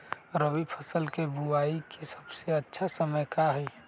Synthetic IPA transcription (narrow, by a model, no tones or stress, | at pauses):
ɾəwipʰəsəlkebuaːikesə̥bseətːʃʰasəməjkaɦɛ